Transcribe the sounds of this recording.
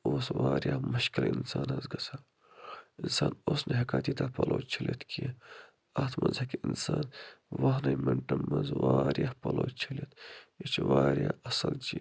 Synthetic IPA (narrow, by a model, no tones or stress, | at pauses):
oːsʋaːɾjaːmɐʃkilɪnsaːnɐzɡɐsʰaː | ɪnsaːnoːsneɦɐkaːt̪iːt̪apɐlʔoːt͡ʃʰɐlet̪kije | at̪ʰmʔɐnzɐkiɪnsaːnʋɐɦnɐmeɳʈɐmːɐnzʋaːɾjahpɐloːt͡ʃʰɐlet̪ʰit͡ʃʰʋaːɾjaːɐsɐld͡ʒi